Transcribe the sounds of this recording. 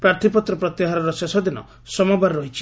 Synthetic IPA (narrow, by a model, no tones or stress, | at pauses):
pɾaɾt̪ʰipɔt̪ɾɔpɾɔt̪iɦaɾɔɾɔsesɔd̪inɔ̰ | sɔmɔbaɾɔɦit͡ʃʰi̥